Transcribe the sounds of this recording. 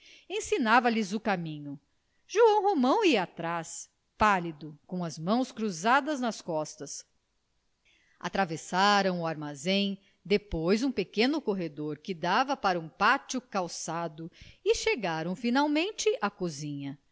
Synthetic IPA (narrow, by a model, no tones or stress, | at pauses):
ẽsinavɐlɪzʊkamĩɲʊ | ʒuɐ̃w̃ɦomɐ̃w̃iat̪ɾas | palid̪ʊkõw̃ɐzmɐ̃w̃skɾuzad̪ɐznɐskɔst̪ɐs | at̪ɾavesaɾɐ̃w̃ʊaɾmazẽj̃ | d̪epojzũpekẽnʊkoɦed̪oɾkɪd̪avɐpaɾɐũpat͡ʃʊkawsad̪ʊɪʃeɡaɾɐ̃w̃finawmẽnt͡ʃɪʔakozĩɲɐ